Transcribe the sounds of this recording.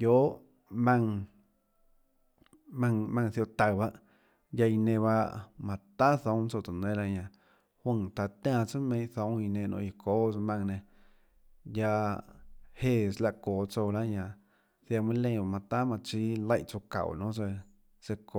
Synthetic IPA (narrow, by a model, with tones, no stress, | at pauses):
jo˦ʔ | mã˧ŋ | mã˧ŋmã˧ŋθjo˧ʔt̪a˨ba˦ʔ | ja˧i˧nẽ˧βa˧mã˧t̪a˦θõ˧˦t͡so˧t̪u˨nẽ˦la˧ɲã˧˨ | hwə˦˧˨ŋt̪a˧t̪ã˧˨t͡sɨ˦mẽ˧˦ʔθõ˧˦i˧nẽ˧nʔõ̰˧i˧ko˦smã˧ŋnẽ˧ | ja˧ | he˦˧˨sla˧ʔkoː˨t͡so˧la˦ɲã˧˨ | θja˧mĩ˦lẽ˧˨ba˧˨mã˧t̪a˦mã˧t͡ʃi˦lə˦jʔt͡so˧ka̰˨wnõ˦t͡se˧ | se˧ko˧˨